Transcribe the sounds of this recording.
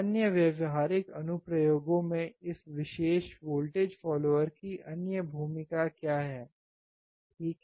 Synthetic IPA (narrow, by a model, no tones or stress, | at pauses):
ɐnjəʋjɐʋɦaːɾɪkɐnʊpɾɐjoːɡõmẽɪsʋɪʃeːʃʋoːlʈeːd͡ʒfɔːloːʋəɾkiʔɐnjəbʱuːmɪkakjaːɦɛː | ʈʰiːk